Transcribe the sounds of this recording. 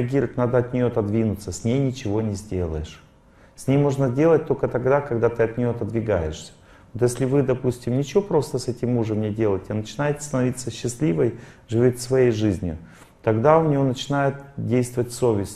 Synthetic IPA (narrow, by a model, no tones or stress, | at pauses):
ɪɐɡʲiɾəvətʲnad̪əɐt̪ʲnʲɪjot̪ɐd̪vʲinʊt̪səsʲnʲejnʲɪt͡ɕɪvo̞nʲɪzʲdʲe̞lˠə̰jɪʂ | sʲnʲejmo̞ʐnədʲe̞lˠət̚ʲt̪o̞lʲkət̪ɐɡd̪akɐɡd̪at̪ɨɐt̪̚ʲnʲɪjot̪əd̪vʲɪɡajɪʂsʲə̥ | vot̪jesʲlʲɪvɨd̪ɐpusʲtʲɪmnʲɪt͡ɕɪvo̞pɾo̞st̪əsɛtʲɪmːuʐɨmnʲɪdʲelˠəɪtʲɪanət͡ɕɪnajɪt̪st̪ənɐvʲit̪sːəɕːɪsʲlʲivəjʐɨvʲot̪ʲfsvɐjejʐɨzʲnʲɪ̰ | t̪ɐɡd̪aʊnʲɪjo̞nət͡ɕɪnajɪt̪dʲejst̪vəvətʲso̞vʲɪsʲt